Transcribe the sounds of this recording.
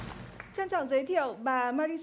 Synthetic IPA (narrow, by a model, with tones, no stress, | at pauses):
t͡ɕa˧nt͡ɕɔ̰˧˨wzə˨˦jt̪ʰḭ˧˨ə˨wɓaː˨˩maː˧ɾi˧s